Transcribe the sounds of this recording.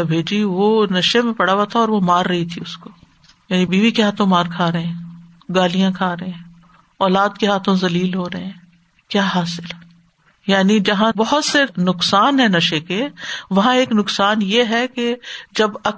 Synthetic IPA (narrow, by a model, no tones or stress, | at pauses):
bʱeːd͡ʒiʋonɐʃemẽpɐɽ̤aːʋat̪ʰaɔːɾʋomaːɾːɐɦit̪ʰiʊsko̥ | jaːnibiːʋikeɦaːt̪ʰõmaːɾkʰaːɾɐɦɛ̃ː | ɡaːlijãkʰaːɾɐɦeɛ̃ | ɔːlaːd̪keɦaːt̪ʰõzɐliːlɦoːɾɐɦɛ̃ː | kjaːɦaːsɪlɦɛ | jaːnid͡ʒɐɦãbɐɦʊt̪senʊqsaːnɦɛnɐʃekeʋɐɦãeːknʊksaːnjeɦɛked͡ʒɐbɐ